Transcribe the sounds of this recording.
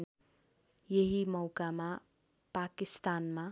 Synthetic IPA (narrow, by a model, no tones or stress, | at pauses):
n | jeɦimʌwkama | pakist̪anma